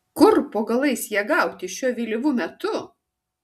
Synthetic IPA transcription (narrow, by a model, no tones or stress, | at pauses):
kʊɾpoːɡɐlˠɐɪsjiɛɡɐˑʊt̪ʲɪʃʲuɔʋʲiːlʲɪʋumʲɛt̪ʊ